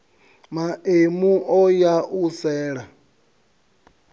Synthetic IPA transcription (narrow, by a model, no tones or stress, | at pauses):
maemuʔɔjaʔusɛːɺa